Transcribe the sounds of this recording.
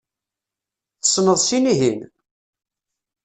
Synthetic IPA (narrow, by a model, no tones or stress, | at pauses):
θəsːnəðˤsiniɦin